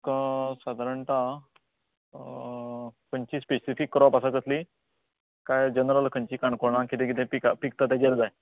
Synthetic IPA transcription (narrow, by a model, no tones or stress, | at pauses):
kəsad̪ʱaɾəɳʈ̪a | pəɲt͡ɕiːspesifikːɾɔapasakəsli | kajd͡ʑənɾəlkʰəɲt͡ɕiːkaɳkoɾɳãkit̪ẽk̬it̪ʰẽpikapik̚t̪at̪̬jad͡ʑeɾd͡zaj